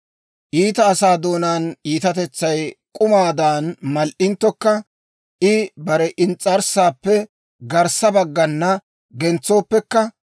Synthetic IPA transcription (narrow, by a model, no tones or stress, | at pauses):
ʔiːt̪ɐːsaːd̪o̞ːnaːniːt̪ɐt̪ɛt͡sːɐjkʼʊmaːd̪aːnmɐlʔɪnt̪ːɔkːɐ | ʔɪbɐɾɛʔɪnt͡sʼɐɾsaːpːɛ | ɡɐɾsɐbɐɡːɐnːɐ | ɡɛnt͡sːo̞ːpːɛkːɐ